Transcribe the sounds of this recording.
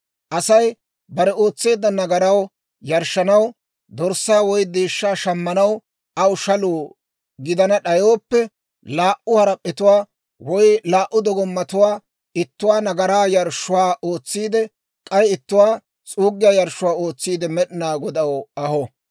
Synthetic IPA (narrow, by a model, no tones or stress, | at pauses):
ʔɐsɐj | bɐɾɛo̞ːt͡sːe̞ːd̪ːɐnɐɡɐɾɐw | jɐɾʃːɐnɐw | d̪ɔɾsaːwɔjd̪eːʃːaːʃɐmːɐnɐw | ʔɐwʊʃɐluː | ɡɪd̪ɐnɐɗɐjoːpːɛ | laːʔʊhɐɾɐpʼːɪt̪ʊwaː | wɔjlaːʔːʊd̪ɔɡɔmːɐt̪ʊwaː | ɪt̪ːʊwaːnɐɡɐɾaːjɐɾʃːʊwaːʔo̞ːt͡sːiːd̪ɛ | kʼɐjɪt̪ːʊwaː | t͡sʼuːɡːɪjaːjɐɾʃːʊwaːo̞ːt͡sːiːd̪ɛmɛɗɪnaːɡɔd̪ɐwɐhɔ